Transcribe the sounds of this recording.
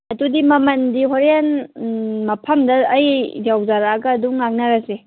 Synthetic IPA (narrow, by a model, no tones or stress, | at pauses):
ɐtudimɐmɐndiɦoɾan | mɐpʰɐmdɐːjd͡ʒawzaɾaɡɐːduŋːak̚naɾɐse